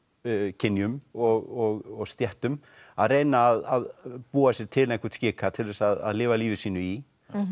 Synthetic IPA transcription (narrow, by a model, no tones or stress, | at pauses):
cʰɪnːjʏmɔɣɔɣɔɣst̪jɛht̪ʏm | aðreːjnaːðaðpuːasjɛɾ̥t̪ʰɪlnɛhkʏɾt̪scɪːkat̪ʰɪlvɛsaða̰ðlɪːvaliːvɪsiːnʏi